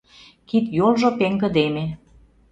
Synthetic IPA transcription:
kit̪jolʒopeŋɡə̆d̪eme

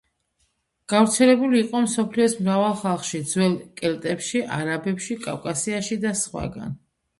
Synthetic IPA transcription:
ɡ̥avɾt̪sʰɛlɛbuliːqʼɔmsɔpʰliɔsmɾavalˠχalˠχʃid̪zwɛlˠkʼɛlt̪ʼɛpʃiʔaɾabɛpʃikʼa̰vkʼasiaʃid̪asχwa̰ɡa̰n

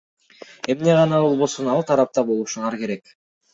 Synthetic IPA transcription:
e̞mne̞ʁɑnɑbo̞lˠβo̞sunɑlˠt̪ʰɑɾɑp̚t̪ɑbo̞lˠuʃunɑɾke̞ɾe̞k

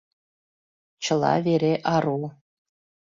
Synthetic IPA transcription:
t͡ɕɤ̆lˠɑ̰vʲeɾʲeʔɑɾulˠ

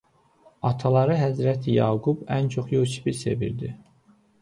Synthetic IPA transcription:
ɑt̪ʰɑlˠɑɾɯɦæzɾæt̪ʰijɑːɡubænt͡ʃʰo̞χjøsi̥biɾse̞̰vḭɾd̪i

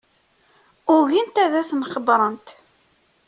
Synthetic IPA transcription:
ʊɣint̪æðæθnχəbɾˤənt̪

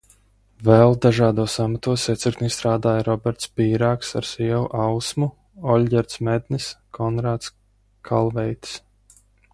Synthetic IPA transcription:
vɛlˠd̪aʒaːd̪uɔːsamat̪uɔsiɛt̪siɾkt̪nist̪ɾaːd̪aːjɾɔbɛɾt̪spiːɾaːksa̰ɾsiɛwuʔawsmu | ɔlʲɟʲɛɾt̪smɛd̪niskʰɔnɾaːt̪s | kʰa̰lˠvɛjt̪s

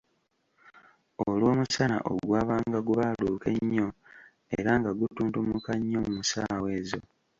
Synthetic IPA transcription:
olwo̞ːmusana̰ʔo̰ɡwaːβaːŋɡaɡuβaluːke̞ɲːo̞ | ḛɾaŋɡaɡutuːntumukaɲːomumusaːwe̞ːzo

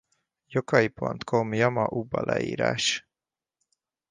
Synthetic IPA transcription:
jokɒjipo̞nt̪kʰomjɒmɒʔubːɒlʔɛḭːɾaːʃ

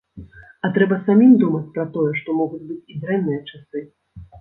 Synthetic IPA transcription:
ɐt̪ɾɛbɐsamʲimd̪umɐt͡sʲpɾɐt̪ɔjɛʂt̪ɔmɔɣud͡zʲbɨt͡sʲid̪ɾɛnːɨjɐt͡ʂasɨ

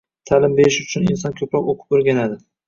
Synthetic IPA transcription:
t̪ʰalɪmbeɾɪʃʊt͡ʃʰʊnɪnsɒnkʲʰɵpɾɒpoqʰʊ̥poɾɡʲanad̪ɪ

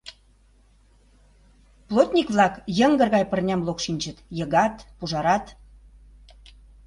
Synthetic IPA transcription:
plˠot̪ʲnʲikβlɑkjə̆ŋɡə̆rɣɑjpərnʲɑmlokʃinʲt͡ɕə̆t̪jə̆ɣɑt̪puʒɑɾɑt̪

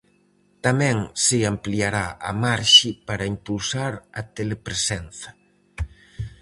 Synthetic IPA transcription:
t̪amɛ̃ŋsɪampliaɾaa̰maɾʃipaɾɐimpulsaɾɐt̪elepɾesɛnθɐ̥

